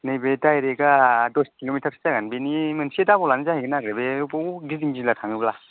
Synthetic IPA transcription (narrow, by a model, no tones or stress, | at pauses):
nɯjbetajɾeɡadoskilomitʰaɾsʰzaɡanbinimɯnsedabɔlanizahajɡɯnaɡɾebebɔɡiziŋzilatʰaŋɯbla